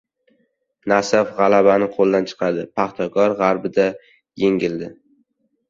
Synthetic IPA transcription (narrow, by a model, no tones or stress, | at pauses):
nasafʁɑlabanɪqʰolˠd̪ant͡ʃʰɨ̥qʰɑd̪ɪpʰaχt̪ʰɒkɒɾʁɑɾbɪd̪a | jeŋʲɪld̪ɪ